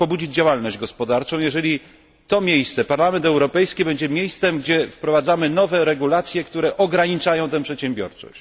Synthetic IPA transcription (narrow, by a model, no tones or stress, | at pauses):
pɔbud͡ʑid͡ʑd͡ʑawalnɔʑd͡ʑɡɔspɔd̪aɾt͡ʂɔ̃w̃jɛʐɛlʲi | t̪ɔmʲjejst̪sɛpaɾlamɛnt̪ɛwɾɔpɛjskʲibɛɲd͡ʑɛmʲjejst̪sɛmɡd͡ʑɛfpɾɔvad̪zamɘnɔvɛɾɛɡulat̪sʲjɛkt̪uɾɛʔɔɡɾaɲit͡ʂajɔ̃w̃t̪ɛ̃pʂɛt̪ɕɛ̃mbʲjɔ̰ɾt͡ʂɔ̰ɕt͡ɕ